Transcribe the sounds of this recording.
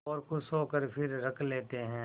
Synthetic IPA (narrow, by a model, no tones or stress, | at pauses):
ɔːɾkʊsoːkəɾpʰɪɾɾɐkʰleːt̪eɦɛ̃ː